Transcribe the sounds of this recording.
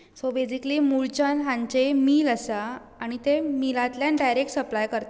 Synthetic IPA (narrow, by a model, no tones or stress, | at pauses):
sobed͡ʑikliːmuɭt͡ɕənɦãɲt͡ɕemiːləsaː | ɽ̃it̪emilãt̪ljãɖajɾek̚ʈsəplajkəɾt̪a